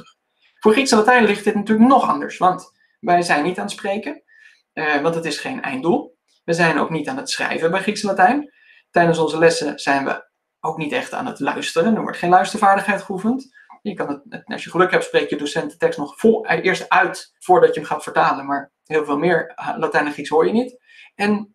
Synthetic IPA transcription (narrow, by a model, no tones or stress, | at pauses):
fʊːɹχritsəlatɛjnlɪχt̚dɪtnatyːləknɔχɑ̰ndə̰ɹsʋɑnt | ʋɛjzɛjnːitaːnətsprejkən | ʋɑntətɪsχejnɛ̰jndulˠ | ʋəzɛjno̰wknitaːnətsrɛ̰jvəbɛjχritsəlatɛjn | tɛjdənsɔnzəlɛsəz̥ɛjnʋə̰ | owknitɛχta̰ːnə̰tlœ̰ɥstərəndəʋɔ̰ɹtχejnlœɥstəɹvaːɹdəχɦɛjtχəufənt | jəkɑnətɑ̰ʃjəχəlɵkɦɛp̚tsprejkjədosɛntə̥tɛkstnɔχfəɪːɹstœɥt | fʊːɹdɑcəəmχaːtfəɹtaːlənmaːɹ | ɦɪːlˠvɪːlˠmɪːɹlatɛjnəχriksɦʊːɹjənit | ɛn